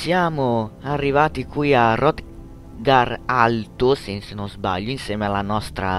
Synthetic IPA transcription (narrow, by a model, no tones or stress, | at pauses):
sjaːmʊarːivaːt̪ikwiarɔt̪ | ɡaralt̪usensenozba̰ʎːuinsjɛːmealːanɔst̪ɾa̰